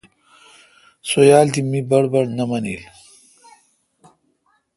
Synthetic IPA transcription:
sojaːlt̪imibɐɽbɐɽnɐmɐnḭl

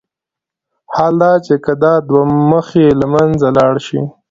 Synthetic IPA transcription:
hɑld̪ɑt͡ʃekad̪ɑd̪waməxelamanzalɑɽʃḭ

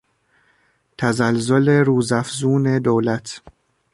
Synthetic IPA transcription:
t̪ʰæzælzoleɾuːzæfzuːne̞d̪oːlæt̪ʰ

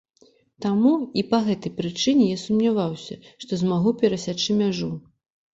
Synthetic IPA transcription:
t̪amuipɐɣɛt̪ɐjpɾɨt͡ʂɨnʲɛjasumnʲavawsʲɐ̰ʂt̪ɔzmaɣupʲɛɾɐsʲat͡ʂɨmʲaʐu

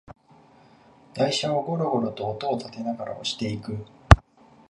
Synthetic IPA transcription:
d̪̥aiɕaoɡo̞ɾoɡo̞ɾo̞t̪o̞ːt̪o̞ːt̪at̪e̞naɡaɾa̰o̰ɕi̥t̪e̞ikɯ̟

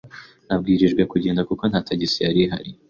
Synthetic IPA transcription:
nab̚ɡiːɾiʒɡwekuɟeːndakuko̞n̥hatʰaɟisiaɾiɦa̰ɾi

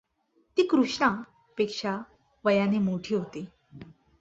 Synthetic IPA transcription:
t̪iːkɾuʂɳa | pekʂa | ʋəjanemoʈʰiːɦot̪e

